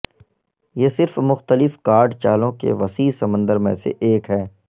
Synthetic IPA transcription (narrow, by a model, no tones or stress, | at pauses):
jesɪɾfmʊxt̪əlɪfkaːɾɖt͡ʃaːlõkḛʋɐsiːsɐmə̃nd̪əɾmḛ̃sḛʔeːkɦɛː